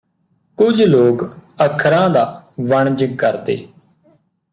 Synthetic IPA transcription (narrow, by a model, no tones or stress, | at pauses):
kʊd͡ʒʱloːkəkʰɾãːd̪aːʋəɳ̃d͡ʒkəɾd̪ḛː